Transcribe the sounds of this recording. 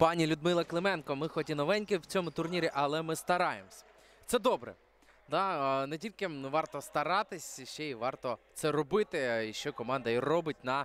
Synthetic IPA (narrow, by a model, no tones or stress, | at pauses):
pɑnʲilʲʊd̪mɪlˠɐklˠɪmɛnkɔmɪxɔtʲinɔʋɛnʲkɪwt͡sʲɔmʊt̪ʊrnʲiɾʲiʔɐlˠɛmɪst̪ɐɾɑjḛmsʲɐ̥ | t̪sɛd̪ɔbɾɛ̰ | d̪ɑnɛtʲilʲkɪʋɑrt̪ɔst̪ɐɾɑt̪ɪsʲʃt͡ʃɛiʋɑrt̪ɔt̪sɛɾɔbɪt̪ɪiʃt͡ʃɔkɔmɑnd̪ɐirɔbɪt̚ʲnɐ